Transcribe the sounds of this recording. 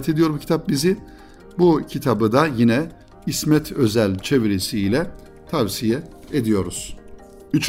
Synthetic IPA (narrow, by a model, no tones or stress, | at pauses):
t̪ʰe̞d̪ijo̞ɾbucʰi̥t̪ʰap̚bizɪ | bucʰit̪ʰabɯd̪ajinɛ | ismɛt̪ʰø̞zælʲt͡ʃʰe̞vɾesilʲɛ | t̪ʰavsijɛed̪ijo̞ɾuz̥ | yt͡ʃʰ